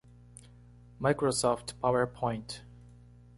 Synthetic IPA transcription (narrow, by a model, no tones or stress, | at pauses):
majkɹosɔftpʰawəɹpʰɔ̃ɪ̃nt